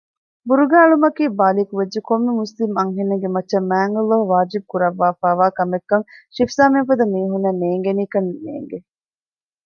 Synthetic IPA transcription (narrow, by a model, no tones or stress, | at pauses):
buɾuɡaːɭumɐkiːbaːlikuʋed͡ʒd͡ʒekomːemuslimɐŋɦenːɐɡemɐtːʃɐmːæːŋɡɐlːoɦʋaːd͡ʒibukuɾɐʋːaːfaːʋaːkɐmekːɐŋʃifsaːmeŋfɐd̪ɐmiːɦunːɐmneːŋɡeniːkɐnnḛːŋɡe